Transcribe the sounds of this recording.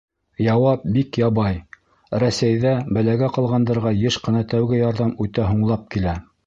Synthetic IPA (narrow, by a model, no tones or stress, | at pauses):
jɑwɑp̚bikjɑβɑj | ɾæsæjðæbɘ̆læɡæqɑ̆lˠʁɑnd̪ɤ̆ɾʁɑjɤʃqɤ̆nɑt̪æwɡɘjɑɾðɑmʉt̪æɦuɴlˠɑp̚kilæ